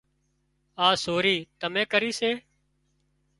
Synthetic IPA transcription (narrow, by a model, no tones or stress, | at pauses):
aːsoːɾiːt̪əmẽːkəɾiːseː